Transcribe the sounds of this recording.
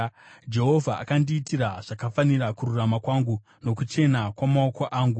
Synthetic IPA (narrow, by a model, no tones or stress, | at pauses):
d͡ʒe̞ɦo̞vʱaa̰kandiːtiɾaʐ̥akafanirakururamakwaːŋɡu | no̞kut͡ʃe̞nakwamaoko̞ʔaːŋɡu